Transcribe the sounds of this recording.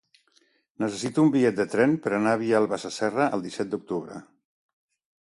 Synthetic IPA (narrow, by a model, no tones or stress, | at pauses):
nəs̬əsit̪uːmbiʎɛt̪̚d̪ət̪ɾɛmpəɾənaβ̞ialˠβasəsɛrəʔəlˠd̪isɛt̪̚d̪uk̚t̪uβɾə̰